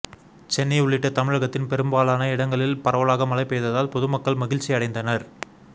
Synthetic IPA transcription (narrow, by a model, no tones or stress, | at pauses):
t͡ʃɛnːɐɪʊɭːɪʈːɐt̪ɐmɪɻɐɣɐt̪ːɪnpɛɾɯmbaːlaːnɐɪɽɐŋɡɐɭɪlpɐɾɐʋɐɭaːɣɐmɐlɐɪpːeːðɐðaːlpɔðɯmɐkːɐɭmɐɣɪɻt͡ʃːiɐɽɐɪnd̪ɐnɐɾ